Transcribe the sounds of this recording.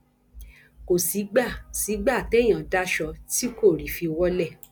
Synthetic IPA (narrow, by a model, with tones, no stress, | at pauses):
ko˨si˨˦ɡ͡ba˦˨si˨˦ɡ͡ba˦˨tɛ˦˨j̃ã˨da˦ʃɔ˧ti˦ko˦˨ɾi˨˦fi˧wɔ˦lɛ˦˨